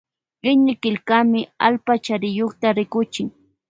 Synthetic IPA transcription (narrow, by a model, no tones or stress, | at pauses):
ɢɪɲɪkɪlkamɪalpat͡ʃaɾɪjoχt̪aɾɪkʊt͡ʃɪŋ